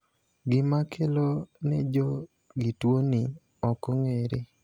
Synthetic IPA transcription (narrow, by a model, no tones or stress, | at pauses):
ɡɪmakʰelonɛd͡ʒɔ | ɡitwonɪ | ɔkɔŋeɾe